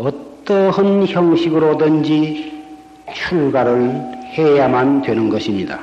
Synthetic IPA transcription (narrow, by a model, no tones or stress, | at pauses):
ʌt͈ʌɦɯnçjʌŋɕʰiɡɯɾodɯnd͡ʑi | t͡ɕʰuɭɡaɾɯɭhejamandwe̞nɯnɡʌɕʰimɲida̰